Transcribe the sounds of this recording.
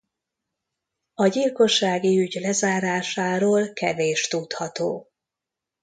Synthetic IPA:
ɒɟilko̞ʃːaːɡiyɟlɛzaːɾaːʃaːɾoːlkɛveːʃt̪ut̪hɒt̪oː

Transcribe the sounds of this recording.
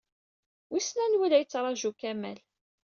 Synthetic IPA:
wisnænwilæjət͡sːɾˤɑʒukæmæ̰l

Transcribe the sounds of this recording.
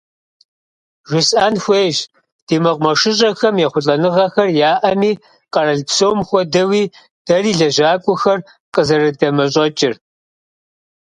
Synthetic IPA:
ʒʷɪsʼaːnxʷeːʒ | d̥iːmɨqʷʼmɐʂɪɕʼɐxɐmjɛχʷʊɬʼɐnɨʁɐxɐrjaːʔɐmiː | qɐrɐɮpsowmxʷɔdɐwiː | d̥ɐriːɮɐʒaːkʷʼʊxɐr | qəzɐrɐdɐmɐɕ̬ʼɐt͡ʃʼɪr

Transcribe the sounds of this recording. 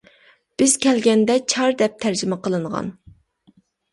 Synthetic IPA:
b̥ɪz̥kʲʰɛlɡʲɛnd̪ɛt͡ʃʰɑɾd̪ɛp̚t̪ʰæɾd͡ʒɪmɛqəlˠɨɴʁɑ̰n

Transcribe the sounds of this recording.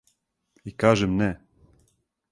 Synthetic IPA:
ikaːʒɛmnɛ

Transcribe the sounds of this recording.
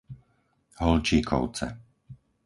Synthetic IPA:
ɦɔlt͡ʃiːkʰɔ̰ʊt͡sɛ̰

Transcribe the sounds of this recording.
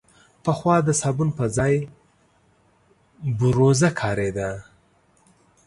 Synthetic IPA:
pəxwɑd̪əsɑbunpəzɑj | bʊɾozakʰɑɾed̪a

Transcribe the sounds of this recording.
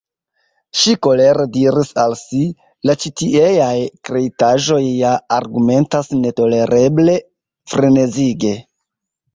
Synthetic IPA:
ʃiko̞le̞ɾediɾisalsi | lat͡ʃitiejajkɾe̞itaʒo̞jːaːɾɡume̞ntasne̞to̞le̞ɾʔe̞ble̞ | fɾene̞ziɡe̞

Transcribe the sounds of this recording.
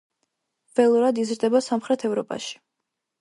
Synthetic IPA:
v̥ɛlˠɔɾad̪izɾd̪ɛbasamχɾɛt̪ʰɛvɾɔpʼa̰ʃi̥

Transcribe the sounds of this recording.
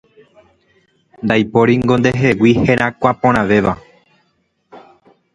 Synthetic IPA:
nd̪ajpo̞ɾiŋɡo̞nd̪eɦewiheɾʔãkʷapõɾ̃ãʋe̞ʋa

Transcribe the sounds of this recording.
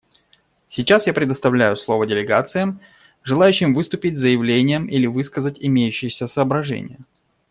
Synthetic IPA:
sʲɪt͡ɕasjapɾʲɪd̪əst̪ɐvlʲæjʊslˠovədʲɪlʲɪɡa̰t̪sɨjəm | ʐɨlˠajʉɕːɪmvɨst̪ʊpʲɪtʲzəjɪvlʲenʲɪjəmilʲɪvɨskəzətʲɪmʲejʉɕːɪjəsʲəsəːbɾɐʐɛ̰nʲɪ̰jə

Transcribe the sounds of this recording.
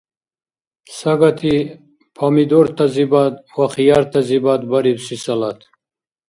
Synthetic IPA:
saɡat̪ʰi | pʰamid̪oɾt̪ʰazibat̪̚waχijaɾt̪ʰɐzibad̪baɾibsisɐlat̪ʰ

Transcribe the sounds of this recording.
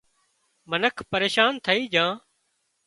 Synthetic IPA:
mənəkʰpəɾeːʃaːnt̪ʰəiːd͡ʒãː

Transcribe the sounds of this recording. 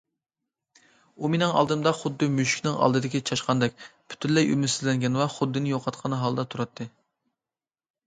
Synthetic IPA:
umenɪŋɑ̰lˠd̪ɨmd̪ɑχʊd̪ːɨmyʃkʲnɪŋʔɑ̰lˠd̪ɨd̪ɪkʲit͡ʃʰɑʃqɑnd̪ɛk̚ʲpʰy̥t̪ʰynlɛjy̰mysɪzlɛŋɡʲɛnwɑχʊd̪ːɨnɪjoqʰɑt̪qʰɑnɦɑlˠd̪ɑt̪ʰuɾɑt̪ʰːɨ

